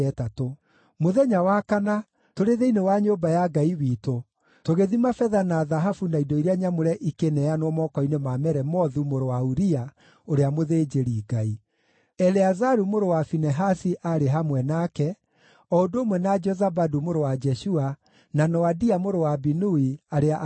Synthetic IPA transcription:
ɛtato | moðɛɲawakana | toɾeðeinewaɲoːbajaɡaiwiːto | toɣeðimafɛðanaðaɦafunaidɔiɾeaɲamoɾɛʔikenɛanwɔmɔkɔinemamɛɾɛmɔðumoɾowauɾia | oɾeamoðed͡ʒeɾiːɡai | ɛlɛazaɾumoɾowafinɛɦasiʔaɾeɦamwɛnaːkɛ | ɔondoːmwɛnad͡ʒɔzabadumoɾowad͡ʒɛʃua | nanɔadiamoɾowabinuiaɾea

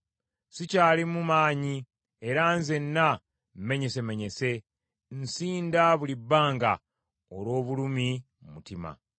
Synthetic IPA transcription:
sicaːlimumaːɲi | e̞ɾanze̞nːa | mme̞ɲe̞se̞me̞ɲe̞se̞ | nsiːndaβulibːaːŋɡa̰ | olwo̞ːβulumi | mmutima̰

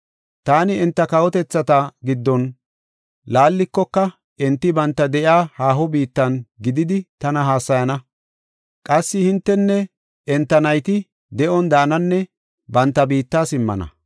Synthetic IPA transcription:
t̪aːnɪɛnt̪ːɐkɐwɔt̪ɛt͡sːɐt̪ɐɡɪd̪ːɔn | laːlːɪkːɔkːɐ | ɛnt̪ːɪbɐnt̪ːɐd̪ɛʔjaːhaːɦɔbiːt̪ːɐnɡɪd̪ɪd̪ɪt̪ɐnɐɦaːsːɐjɐnɐ | kʼɐsːɪhɪnt̪ːɛnːɛ | ɛnt̪ːɐnɐjt̪ɪ | d̪ɛʔɔnd̪aːnɐnːɛ | bɐnt̪ːɐbiːt̪ːaːsɪmːɐ̰nɐ̰

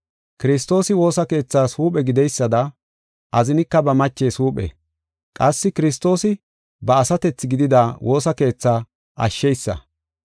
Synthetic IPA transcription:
kɪɾɪs̬t̪o̞ːsɪwo̞ːsɐke̞ːt͡sːaːsuːpʼɛɡɪd̪ɛjsːɐd̪ɐ | ʔɐzɪnɪkːɐbɐmɐt͡ʃːeːsuːpʼɛ̰ | kʼɐsːɪkɪɾɪs̬t̪o̞ːsɪ | bɐːsɐt̪ɛt͡sːɪɡɪd̪ɪd̪awo̞ːsɐke̞ːt͡sːaː | ʔɐ̰ʃːɛjsːɐ̰

